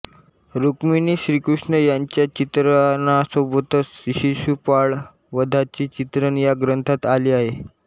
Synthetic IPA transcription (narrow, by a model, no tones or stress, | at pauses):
ɾukminiːɕɾiːkɾuʂɳəjaɲt͡ɕjat͡ɕit̪ɾanasəbot̪əsiɕiɕupaɭ | ʋəd̪ʱat͡ɕiːt͡ɕit̪ɾənjaɡɾənt̪ʰat̪aliːaɦe